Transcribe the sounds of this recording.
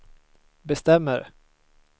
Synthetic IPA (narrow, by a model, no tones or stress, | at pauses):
bɛst̪ɛmːəɾ